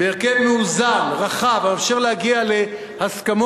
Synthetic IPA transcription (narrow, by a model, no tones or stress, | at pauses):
beːʁkevmuuzanʁaχavaːfʃeʁlehaɡiale̞ | haskamo